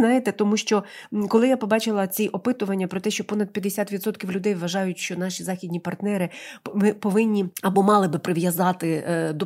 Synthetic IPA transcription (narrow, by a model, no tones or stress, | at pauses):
nɑjɪt̪ɛt̪ɔmuʃt͡ʃɔkɔlˠɪjapɔbɑt͡ʃɪlˠɐt͡sʲiʔɔpɪt̪ʊʋɐnʲːɐpɾɔt̪ɛʃt͡ʃɔpɔnɐd̪pʲjɐd̪esʲat̪ʋʲid̪sɔt̪kʲiwlʲʊd̪ɛjʋɐʒɑjʊtʲʃt͡ʃɔnɑʃʲizɑxʲid̪ʲnʲipɐrt̪nɛɾɪmɪpɔʋɪnʲːiɐbɔmɑlˠɪbɪpɾɪʋjɐzɑt̪ɪd̪ɔ